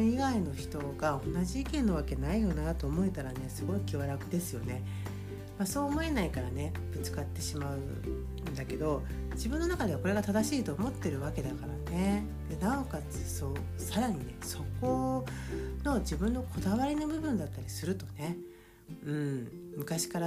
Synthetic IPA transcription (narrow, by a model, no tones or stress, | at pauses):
iɡaino̞çi̥t̪o̞ɡao̞nːaʑiikẽ̞nːo̞β̞ake̞naijo̞nat̪o̞ːmo̞e̞t̪aɾane̞sɨɡo̞ikʲiβaɾakɯ̟d̪e̞sɨjo̞ne̞ | maso̞ːmo̞e̞naikaɾane̞ | b̥ɯ̟t͡sɨ̥kat̪ːe̞ɕimaɯ̟ | nd̪ake̞d̪o̞ | d͡ʑibɯ̟nːo̞nakad̪e̞ako̞ɾe̞ɡat̪ad̪aɕiːt̪o̞ːmo̞t̪ːe̞ɾɯ̟βake̞d̪akaɾane̞ | d̪enaokat͡sɨso̞ː | saɾaɲ̟ine̞so̞ko̞ | no̞d͡ʑibɯ̟̃nːo̞kʰo̞d̪aβaɾʲino̞bɯ̟bɯ̟̃nd̪at̪ːaɾʲisɨɾɯ̟t̪o̞ne̞ | ɯ̟̃ɴmɯ̟kaɕi̥kaɾa